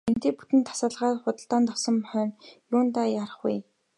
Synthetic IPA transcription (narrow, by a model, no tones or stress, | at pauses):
ent̪eːput̪ɘ̆nt̪ʰːḁsaːɮʁaːtχʊt̪ə̆ɬt̪aːnt̪ɔwsɞ̆mχœːnjʊːnt̪aːjaɾə̆χṵj